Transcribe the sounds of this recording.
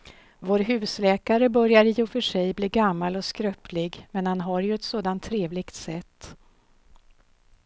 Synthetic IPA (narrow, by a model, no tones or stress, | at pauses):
voːɾɦʉ̟ːslɛːkaɾəbœɾjaɾɪɔfœʂɛjbliːɡamːalɔskɾœpʰlɪɡmɛnhanɦaɾjɵɛt̪soːd̪ant̪ʰːɾeːvlɪɡ̥t̪sɛt̪ː